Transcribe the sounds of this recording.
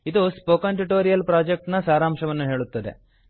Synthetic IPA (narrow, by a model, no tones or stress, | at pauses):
id̪uspoːkaɳʈiʈoːɾijɐlpɾaːd͡ʒek̚ʈnɐsaːɾaːmʃɐʋɐnːuɦe̞ːɭut̪ːɐd̪ḛ